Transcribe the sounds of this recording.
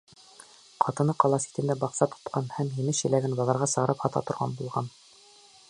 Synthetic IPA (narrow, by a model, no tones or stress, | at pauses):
qʰɑt̪ɤ̆nɤqɑlˠɑsi̥t̪ɘ̆nd̪æbɑqsɑt̪ʰo̥t̪qʰɑnhæmhinɘʃɘ̆læɡɘnbɑlˠɑɾʁɑsɤ̆ʁɤ̆ɾɤphɑt̪ɑ̰t̪ŏɾʁɑ̰nbulˠʁɑn